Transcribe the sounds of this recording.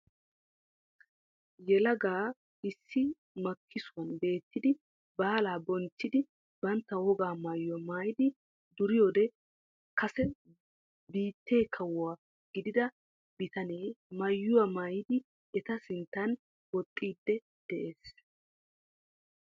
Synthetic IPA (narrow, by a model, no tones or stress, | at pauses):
jɛlɐɡaː | ɪsːɪ | mɐkʰːɪsʊwɐnbe̞ːt̪ːɪd̪ɪ | baːlaːbɔnt͡ʃːɪd̪ɪ | bɐnt̪ːɐwɔɡaːmaːjːʊwɐmaːjɪd̪ɪ | d̪ʊɾɪjoːd̪ɛ | kɐsɛ | biːt̪ːe̞ːkʰɐwʊwaː | ɡ̥ɪd̪ɪd̪ɐ | bɪt̪ɐne̞ːmɐjːʊwɐmaːjɪd̪ɪ | ɛt̪ɐsɪnt̪ːɐn | wɔt̪ʼːiːd̪ːɛ | d̪̥ɛʔeːs